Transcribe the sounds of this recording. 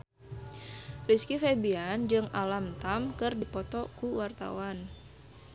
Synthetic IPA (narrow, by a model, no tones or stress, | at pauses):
riskifebiand͡ʒɨŋalamt̪amkɨrdipɔt̪ɔkuwart̪a̰wan